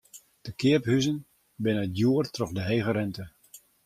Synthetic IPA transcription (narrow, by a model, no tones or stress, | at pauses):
d̥əkɪəphyzən | bɪnədjuərtrɔχdəɦejɣəɾɛntə